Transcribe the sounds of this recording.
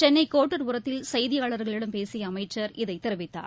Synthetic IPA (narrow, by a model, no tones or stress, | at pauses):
t͡ʃɛnːɐɪkːoːʈːɐɾʋʊɾɐt̪ːɪlsɐjðɪjaːɭɐɾɣɐɭɪɽɐmpeːsɪjɐːmɐɪt͡ʃːɐɾɪðɐɪt̪ːɪɾɐʋɪt̪ːa̰ːɾ